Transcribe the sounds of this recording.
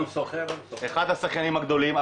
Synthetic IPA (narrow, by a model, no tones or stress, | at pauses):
msoχeeχad̪hasaχkanimaɡd̪o̞lima